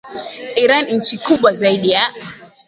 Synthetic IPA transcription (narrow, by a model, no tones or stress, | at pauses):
ʔiɾannɲ̩t͡ʃikuɓwazaiɗija